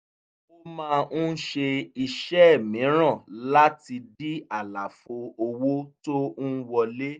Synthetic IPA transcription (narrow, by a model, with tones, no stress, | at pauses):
o˦mãː˦˧ñ̩˦ʃe˧i˧ʃɛ˦˨mĩ˨˦ɾ̃ã˦˨la˦ti˧di˦a˦˨la˨fo˨o˧wo˦to˦n̩˦wɔ˧le˦